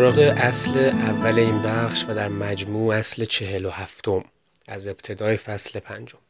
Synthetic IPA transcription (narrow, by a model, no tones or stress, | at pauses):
ɾɒːɣe̞ʔæsleʔævːæle̞iːnbæχʃvæd̪æɾmæd͡ʒmuːæsle̞t͡ʃʰe̞ɦe̞lohæft̪ʰo̞m | æze̞bt̪ʰe̞d̪ɒːjefæsle̞pʰænd͡ʒom